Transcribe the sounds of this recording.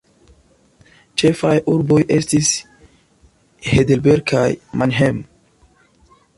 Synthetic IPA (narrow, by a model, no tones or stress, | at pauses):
t͡ʃe̞fajʔuɾbo̞jestis | hedelbeɾɡ̚kʰajmanɦem